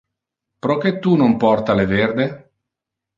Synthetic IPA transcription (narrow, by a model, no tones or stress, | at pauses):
pɾoket̪ːunompɔrt̪aleverd̪e